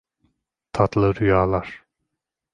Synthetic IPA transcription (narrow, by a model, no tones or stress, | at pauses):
t̪ʰat̪lˠɯɾyjaːlˠaɾ̥